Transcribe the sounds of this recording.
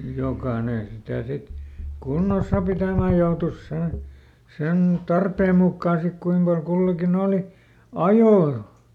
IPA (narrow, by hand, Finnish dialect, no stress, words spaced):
jokɑːne sitæˑ sit kunːosˑɑ pitæˑmæ joutus sen̞ sen tɑrpeːm mukːɑː sik kuim pɑl kulːɑkin oˑli ɑjoː